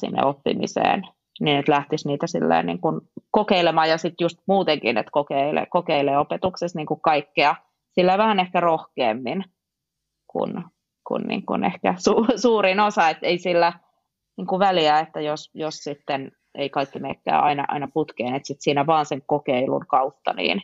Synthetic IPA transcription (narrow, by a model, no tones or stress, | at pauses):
sḭnːḛopːḭmḭsḛːn | ninet̪læht̪isniːt̪æsḭlːḛːnnḭːŋkunkokeilemɑːjɑsit̪just̪̚muːt̪eŋkḭnḛt̪kokeilḛkokeileːopet̪uksesniːŋkukkɑikːiɑ | silːæʋæhænehkærohkeːmːin | kṵn | kṵnnḭːŋkṵnḛhkæsuːsuːrinosɑet̪ːeisilːæ | niːŋkuʋæliæet̪ːæjosjossit̪ːen | ʔeikɑikːimeːkːæ̰ːɑ̰inɑʔɑ̰inɑput̪keːnet̪sit̪siːnæʋɑːnseŋkokeilṵŋkɑut̪ːɑ̰nḭːn